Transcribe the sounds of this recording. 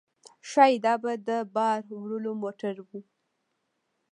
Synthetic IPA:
ʃɑjd̪ɑbad̪əbɑɾwɾəlomoʈaɾwu

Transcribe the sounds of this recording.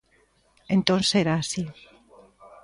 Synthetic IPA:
ẽnt̪õnseɾaːsi

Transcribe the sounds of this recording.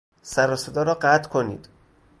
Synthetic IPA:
sæɾɒːsed̪ɒːɾɒːɢæt̪ʰkʰonḭːd̪̥

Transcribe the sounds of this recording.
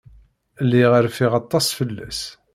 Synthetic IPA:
lːiʁəɾfiʁɑt̪ˤːɑsˤfəlːæ̰s

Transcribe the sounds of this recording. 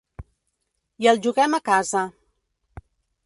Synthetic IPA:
jəlˠʒuɣɛmakazə

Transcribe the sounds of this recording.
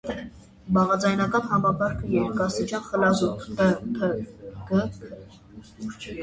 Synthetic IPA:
bɑʁɑd͡zɑjnɑkɑnhɑmɑbɑɾkʰəjɛɾkɑst̪it͡ʃjɑnχəlɑzupʰt̪ət̪ʰəɡəkʰə

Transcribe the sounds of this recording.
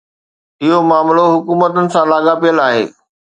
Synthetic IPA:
ɪɦomaːmloɦʊkuːmət̪ʊnɪ̆sãlaːɡapijəlaːɦḛː

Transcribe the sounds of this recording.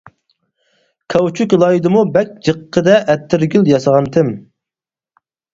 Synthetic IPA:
kʰɑwt͡ʃʰykʲlˠɑjid̪ɨmubɛkʲd͡ʒəqʰːəd̪ɛʔɛt̪ʰːɪɾɡʲyljɑsɑʁɑnt̪ʰɪm

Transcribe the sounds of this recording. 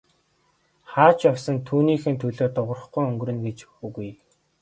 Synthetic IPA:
χaːt͡ɕjɔwsə̆nt̪ʰuːniːxɘ̆nt̪ʰɵɮoːt̪ʊʁə̆rə̆χɡujɵŋɡɵɾɵ̆nɡet͡ɕuɣuj

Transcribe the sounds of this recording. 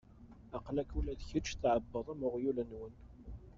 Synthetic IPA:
ɑqlækulæðçət͡ʃːθʕəbːəðˤæməʁjulənwən

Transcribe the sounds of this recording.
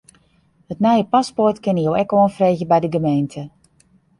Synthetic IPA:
hətnɛjəpaspɔrtkɪnjoɛkoːənfreːɣjəbɛjdəɡəmejntʰə

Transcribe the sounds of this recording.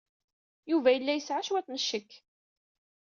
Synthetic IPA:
juvæjəlːæjəsʕaʃwæθnəʃːəkː

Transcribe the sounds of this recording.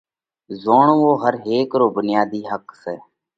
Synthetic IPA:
zoːɳõːʋoːɦəɾɦeːkɾoːbʊnɪjaːd̪iːɦəksɛː

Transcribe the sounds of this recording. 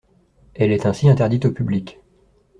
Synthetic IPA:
ɛlɛt̪ɛ̃siɛ̃t̪ɛʁd̪it̪opyblikʲ

